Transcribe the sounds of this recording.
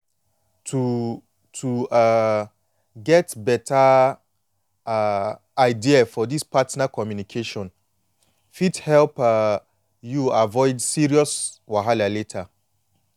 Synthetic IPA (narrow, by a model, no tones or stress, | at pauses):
tʰu | tʰua | ɡɛtbɛtʰa | a | aɪdiafɔdispʰatnakʰɔmjunikʰeʃɔ̃n | fithɛlp | juavɔɪdsiɹiɔswaɦalaletʰa